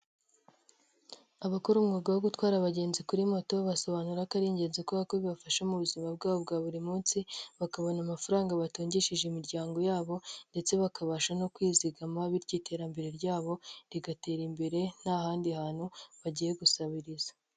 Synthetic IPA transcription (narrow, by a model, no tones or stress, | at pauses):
aβakuɾumŋoːɡawoɡutwaːɾaβaɟe̞ːnzikuɾimo̞to̞βaso̞βanuɾakaɾiːɲɟe̞ːzekoβakoβiβafaʃamuβuzimab̚ɡaːβobɡaːβuɾimuːnsiβakaβo̞namafaɾaːŋɡaβatoːɲɟiʃiʒemiɾɟaːŋɡo̞jaːβo̞nde̞t͡se̞βakaβaʃanokwiːziɡamaβiɾɟiːte̞ːɾambe̞ɾe̞ɾɟaːβo̞ɾiɡate̞ːɾimbe̞ɾe̞n̥ahaːndihaːn̥huβaɟije̞ɡusaβiɾizḁ